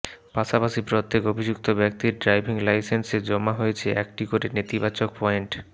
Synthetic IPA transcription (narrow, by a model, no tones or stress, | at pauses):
paʃapaʃipɾot̪ːekobʱid͡ʑuk̚t̪obɛk̚t̪iɾɖɾajbʱiŋlajsensed͡ʑɔmːaɦojet͡ɕʰeʔɛk̚ʈikoɾenet̪ibat͡ɕok̚pɔeɳʈ